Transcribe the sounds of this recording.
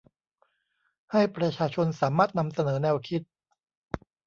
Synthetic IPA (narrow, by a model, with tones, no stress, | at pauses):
ha˥˩jpɾa˧t͡ɕʰaː˧t͡ɕʰo˧nsaː˩˦maː˥˩t̪̚na˧msa˧nɤː˩˦nɛː˧wkʰi˦˥t̪̚